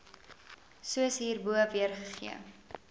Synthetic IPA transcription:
suəsɦiːrbuəviərχəχḭə

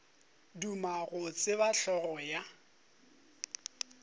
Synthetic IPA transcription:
dumaɣʊt͡sʼɪβaɬɔɣɔja

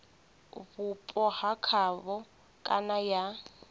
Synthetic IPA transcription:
βupʼɔhakʰaβɔ | kʼa̰naja

